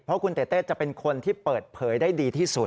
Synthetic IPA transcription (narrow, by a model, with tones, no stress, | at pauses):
pʰɾɔ˦˥kʰu˧nt̪eː˨˩t̪eː˥˩t̪t͡ɕa˨˩pe˧nkʰo˧nt̪ʰiː˥˩pɤː˨˩t̪̚pʰɤː˩˦jdaː˥˩jdiː˧t̪ʰiː˥˩su˨˩t̪̚